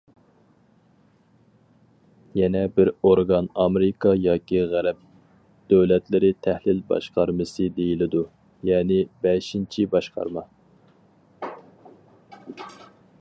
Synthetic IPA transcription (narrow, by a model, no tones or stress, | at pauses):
jɛnɛbɪɾoɾɡɑnɑmeɾɪkʰɑjɑːkʲiʁæɾɛp̚ | d̪̥øwlɛt̪lɪɾɪt̪ʰɛhlɪlbɑ̰ʃqɑɾmɨsɨd̪ejilɪd̪u | jɛːnɪbɛʃint͡ʃʰibɑʃqɑ̰ɾmɑ